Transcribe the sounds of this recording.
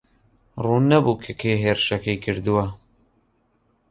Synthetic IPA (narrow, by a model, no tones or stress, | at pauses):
ruːnːɐbuːkʰɐkʰejɦeːɾɨʃɐkɐjkʰɨɾd̪ɨwɐ